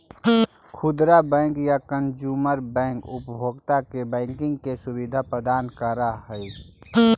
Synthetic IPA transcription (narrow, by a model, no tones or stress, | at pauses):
kʰʊd̪ɾabɛ̃ːŋkjakənd͡ʒuːməɾbɛ̃ːŋkʊpbʱoːɡt̪akebɛ̃ːŋkɪ̃ŋɡkesʊbid̪ʱapɾəd̪aːnkəɾaɦəi